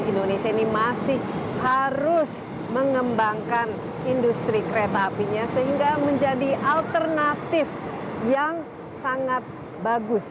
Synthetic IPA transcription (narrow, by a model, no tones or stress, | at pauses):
indonesiainimasɪhhaɾʊs | məŋəmbaŋkan | indust̪ɾikəɾet̪aːpiɲasəɦiŋɡaməɲd͡ʒadiʔalt̪ərnat̪ɪfjaŋ | saŋat̪̚ | baɡʊs